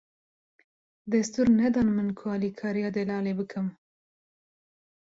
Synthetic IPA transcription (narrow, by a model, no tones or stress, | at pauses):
d̪ast̪uɾnad̪ɑnmənkʰoɑlikʰɑɾjɑd̪elɑlebəkʰəm